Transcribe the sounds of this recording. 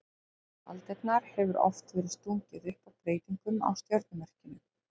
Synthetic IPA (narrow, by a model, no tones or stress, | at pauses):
a̰lt̪ɛk̪naɾ̥hɛvʏɾɔ̰ft̪vɛːɾɪðst̪uːŋcɪðʏhpawpɾeːjt̪iŋkʏma̰wst̪jœɾt̪nʏmɛr̥cɪnːʏ